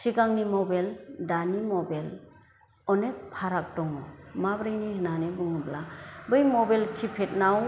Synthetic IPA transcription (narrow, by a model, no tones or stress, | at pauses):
siɡaŋnimɔbeldanimɔbel | ɔnek̚pʰaɾak̚dɔŋɔmabɾɯjnihɯnanibɯŋɯblabɯjmɔbelkʰipʰet̚naw